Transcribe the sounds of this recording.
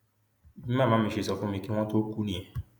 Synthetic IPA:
ĩ˦mã˦˨mã˨˦mĩ˨˧ʃe˨˧˨sɔ˧fũ˦mĩ˧ki˦w̃ɔ̃˦to˦ku˦nĩ˦˨ɛ̃˨

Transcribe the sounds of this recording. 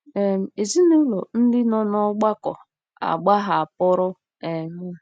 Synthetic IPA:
e˨m̩˨e˨zi˦ne˦lo˨n̩˦dɪ˦nɔ˦nɔ˦ɡ͡ba˦kɔ̰˨ | a̰˨ɡ͡ba˦ɦa˨a˨pʊ˦ɾʊ˦ | ɛ˨ŋ̩˦˨

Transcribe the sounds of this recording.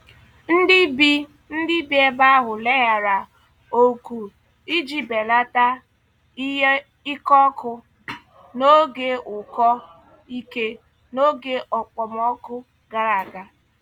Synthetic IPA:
n̩˦dɪ˦bi˦ | n̩˦dɪ˦bi˦e˦ba˦a˦ɦʊ˨le˦ɦa˨ɾa˨ | o˦ku˨ | i˦d͡ʒi˨be˨la˦ta˦ | i˦ɦe˦ | i˦kɔ˦kʊ˦ | no˦ɡe˦ʊ˨kɔ˦ | i˦ke˦ | no˦ɡe˦ʔɔ˨k͡pɔ˨m˦ɔ˦kʊ˦ | ɡa˦ɾa˨ɡa˨

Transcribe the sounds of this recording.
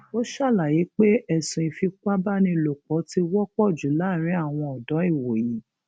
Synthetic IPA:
o˦ʃa˦˨la˨je˨˦k͡pe˦ɛ˦˨sũ˧ĩ˧fi˧k͡pa˦ba˦nĩ˧˨lo˨k͡pɔ˨˦ti˧wɔ˦k͡pɔ˦˨d͡ʒu˨˦la˦˨ɾ̃ĩ˨˦a˦˨w̃ɔ̃˧ɔ˨dɔ˨˦i˦˨wo˨ji˨˦

